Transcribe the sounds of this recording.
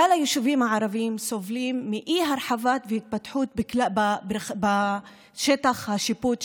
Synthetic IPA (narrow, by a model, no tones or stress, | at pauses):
alajoʃuvimhaʕaɾavimsovlimːiʔiɦaɾħavat̪veit̪̚pat̪ħut̪̚biklababba | ʃet̪aχhaʃiput̪